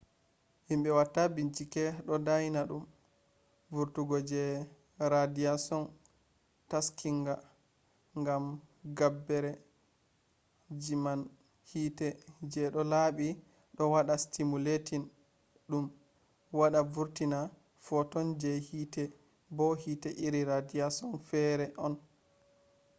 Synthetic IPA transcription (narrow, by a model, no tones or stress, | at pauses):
himbɛwatːabint͡ʃikɛɗɔdajinaɗum | vuɾtuɡɔd͡ʒɛ | ɾadijasɔn | taskiŋɡa | ŋɡamɡabːɛɾɛ | d͡ʒiman | hiːtɛd͡ʒɛɗɔlaɓi | ɗɔwaɗastimuletin | ɗum | waɗavuɾtina | fɔtɔnd͡ʒɛhitɛ | bɔhiːtɛʔiɾiɾadiasɔnfɛɾɛʔɔn